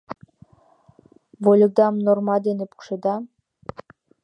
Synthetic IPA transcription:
volʲud̪ɑmnormɑd̪enepu̥kʃed̪ɑ

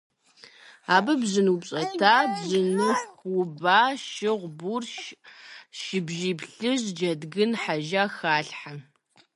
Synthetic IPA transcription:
aːbɐbzɨnupɕʼɐtʰaːbzɨnɨxʊbaːʃɪʁʷburʃ | ʃɪbʒiːpɬɨʑd͡ʒɐdɡɨnħaʒaːxaːɬħa

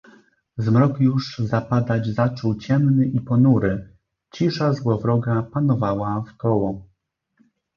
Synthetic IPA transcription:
zmɾɔkjuʐzapad̪ad͡ʑzat͡ʂɔwt͡ɕɛmnɘʔipɔnuɾɘ | t͡ɕiʂazwɔvɾɔɡapanɔvawafk̪ɔwɔ

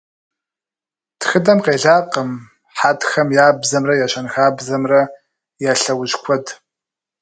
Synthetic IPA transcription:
txɨdɐmqeːɮaːqəm | ħatxɐmjaːbzɐmrɐjaɕɐnxaːbzɐmrɐ | jaːɬɐwʊɕkʷʰɔd

